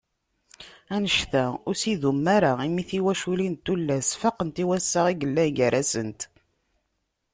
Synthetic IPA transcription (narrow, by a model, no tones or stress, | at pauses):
ænəʃθæʊɾsiðumːaɾaimiθiwæʃulint̪ːulːæsfaqənt̪iwæsːaʁiɡəlːænʝəɾæsənt̪